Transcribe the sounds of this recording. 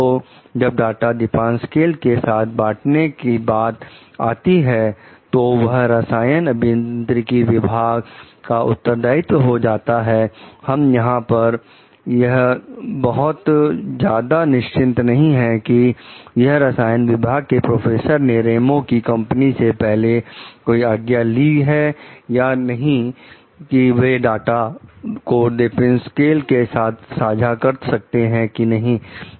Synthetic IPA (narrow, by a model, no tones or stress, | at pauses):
o | d͡ʒɐb̚ɖaːʈad̪ɪpãːnskeːlkesaːt̪̚ʰbaːʈʰnekibaːt̪a̰ːt̪iɦɛt̪oʋɐɦɾɐsaːjənɐbʱɪjə̃nnt̪ɾɪkiʋɪbʱaːɡ | kaʔʊ̰t̪ːəɾd̪aːɪt̪ɦod͡ʒaːt̪aɦɛhɐmjɐɦãpɐɾ | jɐɦbɐɦʊt̪d͡ʒjaːd̪anɪʃt͡ʃɪ̃nt̪nɐɦĩɦɛkijɐɦɾɐsaːjənʋɪbʱaːɡ̚kepɾoːfʰeːsəɾneɾeːmõkikɐ̃mpənisepɛɦlekoːiaːɡjaliɦɛjanɐɦĩ | kiʋeɖaːʈakoɖ̪ɪpɛ̃nskeːlkesaːt̪ʰsaːd͡ʒʱakɐɾt̪sɐk̚t̪eɦɛ̃kinɐɦĩ